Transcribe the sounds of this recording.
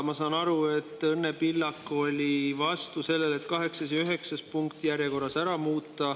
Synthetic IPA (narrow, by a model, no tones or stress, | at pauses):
mɑsɑːnɑɾue̞t̪ːˑɤnːepilːɑkːˑo̞lʲivɑst̪use̞lːe̞le̞t̪ːkɑɦe̞ksɑs̬jɑyɦe̞ksɑspuŋkt̪jæɾjeko̞rːɑsæɾɑmuːt̪ːˑɑ